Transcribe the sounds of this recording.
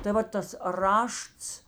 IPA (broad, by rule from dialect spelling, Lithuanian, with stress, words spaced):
tɐɪ ˈʋɐ tɐs ˈrɐʃts